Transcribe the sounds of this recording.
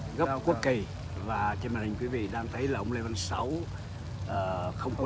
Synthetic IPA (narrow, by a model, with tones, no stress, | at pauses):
ɣə˦˥p̚ku˦˥ək̚ːi˨˩ | vaː˨˩t͡ɕe˧nmaː˨˩hï˨˩ŋ̟kwi˨˦vḭ˧˨ɗaː˧ŋt̪ʰə˨˦jlaː˨˩ʔə˧wŋ͡mle˧va˧nsa˨˦w | ʔəː˨˩xə˧wŋ͡mk